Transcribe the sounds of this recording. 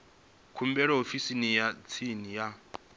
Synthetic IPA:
kʰumbɛɺɔofisinijat͡sʰinija

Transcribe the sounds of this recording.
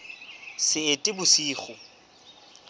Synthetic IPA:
sɪːtʼɪbʊsiːχʊ

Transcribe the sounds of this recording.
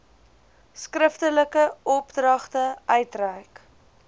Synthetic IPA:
skrəftələkəɔpdrɐχtəœɥtræjk

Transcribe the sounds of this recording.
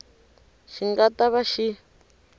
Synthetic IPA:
ʃiŋɡataβaʃi

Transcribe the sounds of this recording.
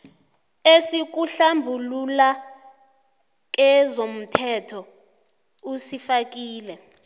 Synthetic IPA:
esik̬uɬambʱulula | k̬ɛzom̩tʰɛtʰɔ | usifak̬ʼiːlɛ

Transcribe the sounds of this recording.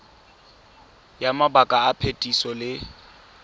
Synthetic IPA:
jamabakʼaːpʰetʼisɔlɪ

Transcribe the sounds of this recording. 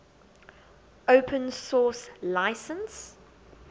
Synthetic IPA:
oʊpʰə̃nsɔːslaɪsə̃ns

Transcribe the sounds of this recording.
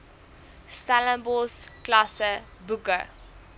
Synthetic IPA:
staləmbɔsklasə | bukə

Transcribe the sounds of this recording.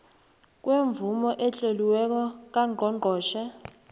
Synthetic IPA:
k̬ʼweɱvumɔʔɛt͡ɬʼoliwɛk̬ɔk̬aŋʱɔŋŋ͡ǃʱɔːʃɛ

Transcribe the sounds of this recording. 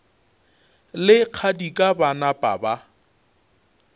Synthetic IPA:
lɪq͡χʰadikʼabanapʼa̰ba

